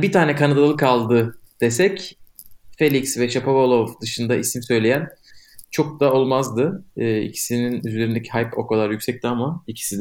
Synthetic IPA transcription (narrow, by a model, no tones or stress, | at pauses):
bit̪ʰaːnɛkʰanad̪alˠlˠɯkalˠd̪ɯd̪̥esɛc | felʲicsvɛʃapʰavolˠovd̪ɯʃɯnd̪aʔisimsø̞jlʲejænt͡ʃʰo̞k̚d̪ao̞lˠmazd̪ɯːḭcʰi̥sininyze̞ɾind̪ecʰiɦajpo̞kʰad̪aɾjycʲsɛc̚t̪ʰiamaicʰi̥sid̪